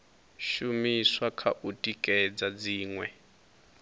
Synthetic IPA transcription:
ʃumiswakʰa̰ʔutʼikʼɛd͡zad͡ziːŋwɛ

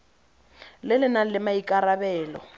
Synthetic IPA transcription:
lɪlɪnalɪmaikʼaɾabɛːlɔ̰

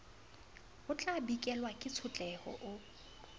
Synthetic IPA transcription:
ʊt͡ɬʼabikʼɛlwakʼɪt͡sʰʊt͡ɬʼɛhɔ̰ʔʊ

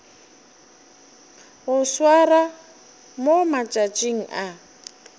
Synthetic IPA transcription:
ʊswara | momat͡ʃʼat͡ʃʼiŋ̩ʔa

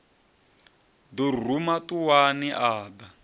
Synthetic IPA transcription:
dur̤umatuwaniʔaːba

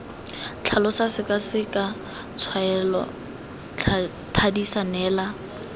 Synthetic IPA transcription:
t͡ɬʰalɔsasɪkʼasɪkʼa | t͡sʰwaɛlɔ̰ | tʰadisanɛːla

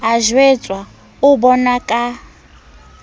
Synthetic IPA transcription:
ɦaʒwet͡sʼwa | ubɔnakʼa

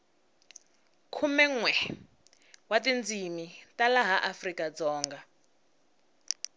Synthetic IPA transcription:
kʰumɛŋwɛ | watind͡zimitalaɦaʔafrikad͡zɔːŋɡa

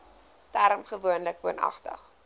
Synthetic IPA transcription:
tæɾmχəvuənləkvuənɐ̰χtə̰χ

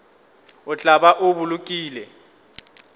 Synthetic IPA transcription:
ʊt͡ɬʼabaʔʊbulukʼiːlɛ

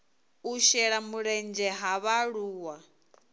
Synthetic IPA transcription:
uʃɛɺamuɺɛnd͡ʒɛɦaβaɺuːwa

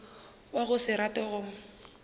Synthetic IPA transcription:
waɣʊsɪɾatʼɛɣʊ

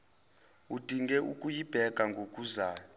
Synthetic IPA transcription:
ud̥ʱiŋɡɛʔukʼujib̥ʱɛɡ̥ʱaŋɡʱokʼuzaː

